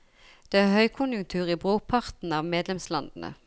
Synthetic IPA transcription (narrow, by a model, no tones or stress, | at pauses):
d̪̥eːæːʁhœʏkʰʊnjʉŋt̪ʰʉːʁiːbʁoːpʰɑʁt̪n̩ɑːʋmeːd̪lɛmslɑnd̪ən̩ə̰